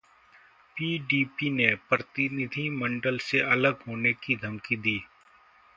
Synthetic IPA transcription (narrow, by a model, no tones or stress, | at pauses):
piːɖiːpinepɾət̪ɪnɪd̪ʱimə̃ɳɖəlseʔɐləɡɦoːnekid̪ʱɐmkid̪iː